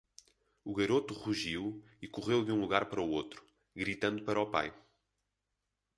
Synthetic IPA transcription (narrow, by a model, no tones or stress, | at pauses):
uɣɐɾot̪uʁuʒiw | ikuʁewðũlˠuɣaɾpɐɾɐuot̪ɾu̥ | ɣɾit̪ɐ̃nd̪upɐɾɔpa̰j